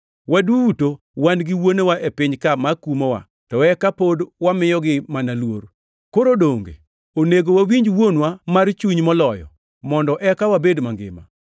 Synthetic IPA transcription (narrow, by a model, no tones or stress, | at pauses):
wadwuuto | wanɡɪwonewaʔepɪɲkamakumowa̰ | tɔɛkapodwamɪjɔɡɪmanalwo̰ɾ | koɾodoŋɡḛ | oneɡowawiɲd͡ʒwonwamart͡ʃuɲmɔlɔjɔ̰ | mɔndɔʔɛkawabedmaŋɡɪ̰ma̰